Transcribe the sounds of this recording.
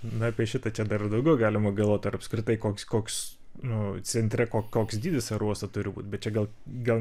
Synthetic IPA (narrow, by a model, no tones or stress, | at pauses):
nʊɑpʲiɛʃʲɪt̪ɐt͡ʃʲɛd̪ɐɾɪd̪ɐʊɡʲɛʊɡɑːlʲɪmɐɡɐlˠʋoːt̪ʲɐɾɐpskɾʲɪt̪ɐɪkoːkʲskoːkʲs | nʊt͡sʲɛnʲt̪ʲɾʲɛkoːkoːksd̪ʲiːd̪ʲɪsʲɐɾuɔst̪ɐt̪ʊɾʲɪbṵːt̪ʲbʲɛt̪t͡ʃʲɛɡɐlˠ | ɡɐlˠ